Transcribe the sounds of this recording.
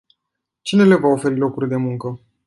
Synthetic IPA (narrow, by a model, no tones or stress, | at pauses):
t͡ʃine̞le̞vaofe̞ɾilo̞kurʲd̪e̞muŋkə